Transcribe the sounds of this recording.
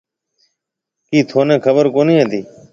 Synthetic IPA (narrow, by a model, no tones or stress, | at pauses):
kiːt̪ʰoːnẽːkʰəbəɾkoːnĩːəːt̪iː